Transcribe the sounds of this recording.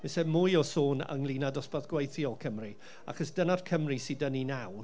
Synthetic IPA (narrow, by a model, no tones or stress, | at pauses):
mɛsɛmʊjɔsoːnə̰ŋlˠinadɔsbaðɡ̥wejθjɔkʰəmri | a̰χɔsd̥ənar̥kʰəmrisidəninaw